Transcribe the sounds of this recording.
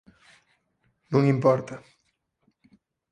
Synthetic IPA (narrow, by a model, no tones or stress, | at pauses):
nũŋimpɔɾt̪ɐ